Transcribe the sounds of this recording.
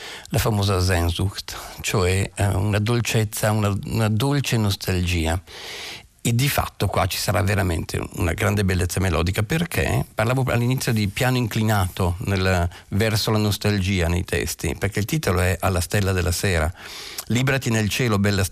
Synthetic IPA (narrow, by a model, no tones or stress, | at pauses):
lafamoːzazɛnzukt̪t͡ʃoɛunad̪olt͡ʃet̪sːaunaunad̪olt͡ʃenost̪ʰald͡ʒiːa | ed̪ifa̰t̪ːokwa̰t͡ʃi̥saɾaveɾamḛnt̪ʰḛṵna̰ɡɾand̪ebelːet̪sːamelɔ̰ːd̪ikaperkʰḛparlaːvoa̰lːinit̪sːjod̪ipjaːnoiŋklinaːt̪onel | vɛrsolanost̪ald͡ʒiːanejt̪ʰɛ̰st̪ḭperkeilt̪iːt̪oloɛʔalːast̪ɛlːad̪elːaseːɾa̰liːbɾat̪inelt͡ʃɛːlobɛlːas